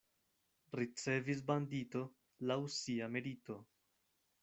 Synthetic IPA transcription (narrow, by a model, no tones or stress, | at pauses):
ɾit͡se̞vis̬bandito̞ | lawsiameɾito̞